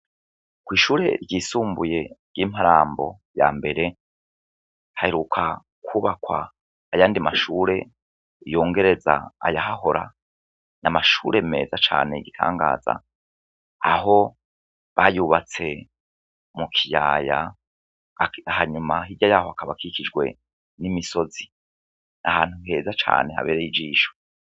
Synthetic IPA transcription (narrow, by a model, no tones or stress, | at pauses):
kwiːʃuːɾe̞̰ɾɟiːsuːmbuje̞ɟ̥iːm̥haɾaːmbo̞ | ja̰ːmbe̞ɾe̞ | haheɾukʰa | kʰuβakwa̰ː | jaːndimaʃuːɾe̞ | ijo̞ːŋɡe̞ɾe̞za̰a̰jaɦaɦo̞ɾa̰ | namaʃuːɾe̞me̞̰ːzat͡ʃa̰ːne̞iɡitʰa̰ːŋɡa̰ːza̰ | aɦo̞ | βajuːβat͡se̞ | mukʰijaːja̰ | haɲumaɦiɟajaːhoakʰaβakʰikid͡ʒɡwe̞̰ | nimiso̞zi | nʔahaːn̥huɦe̞ːzat͡ʃa̰ːne̞ha̰βeːɾejid͡ʒiːʃo̥